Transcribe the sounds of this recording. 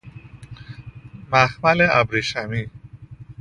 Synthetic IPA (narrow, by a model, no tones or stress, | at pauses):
maxmalea̰bɾiʃami